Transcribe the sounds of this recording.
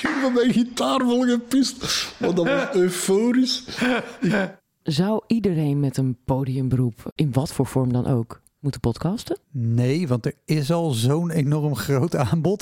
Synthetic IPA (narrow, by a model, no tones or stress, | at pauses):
iʋəmɛjɣitaːrʋolˠɣəpistʋɔdɔʋɔsøfoːɾis | zawʔidəɾejnmɛtənpoːdiəmbərupɪnʋɔtfoːɹfɔɹmdɔnʔo̰wk | mutəpɔtkɑstənejʋɑntəɹɪsɑlˠzownenɔrmχrowtaːnbɔt